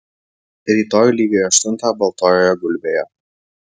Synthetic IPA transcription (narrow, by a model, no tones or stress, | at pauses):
ɾʲiːt̪oːjulʲiːɡʲojɐʃt̪ʊnt̪ɑbɐlˠt̪oːjɔjoɡʊlʲbʲejo